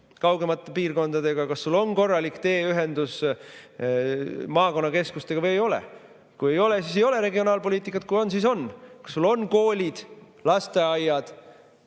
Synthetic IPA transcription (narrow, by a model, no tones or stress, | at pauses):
kɑwɡe̞mɑt̪ːˑe̞piːrko̞nd̪̥ɑd̪e̞ɡ̥ɑkɑsːulːo̞nko̞rːɑlʲikt̪e̞ːyɦe̞nd̪̥us | mɑːko̞nːɑke̞skust̪e̞ɡ̥ɑvɤje̞jo̞lḛ | kuje̞jo̞lesiːs̬e̞jo̞leɾe̞ɡio̞nɑːlpo̞liːt̪ikːˑɑt̪̚kujo̞nsiso̞nːkɑ̥sːulːo̞nko̞ːlʲid̪̥ | lɑst̪e̞ɑjɑd̪̥